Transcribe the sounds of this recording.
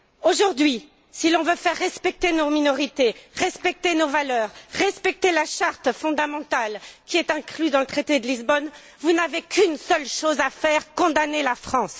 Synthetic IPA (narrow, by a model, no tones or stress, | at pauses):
oʒuʁd̪ɥi | silɔ̃vøfɛʁːɛspɛk̚t̪enominɔʁit̪eʁɛspɛk̚t̪enovalœːʁːɛspɛk̚t̪elaʃaʁt̪fɔ̃d̪amɑ̃t̪alkʲiɛt̪ɛ̃klyd̪ɑ̃lət̪χet̪ed̪əlizbɔn | vunavekʰynsœlʃozafɛʁkɔ̃d̪anelafχɑ̃s